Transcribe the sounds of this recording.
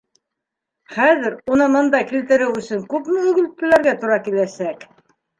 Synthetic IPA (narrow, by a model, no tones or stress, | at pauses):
χæðɘɾunɤmɤ̆nd̪ɑkilt̪ɘ̆ɾɘwɵ̆sɵŋkʉpmɘɵ̆ɡɵ̆lt̚t̪ːɘ̆læɾɡæt̪ŏɾɑkilæsæk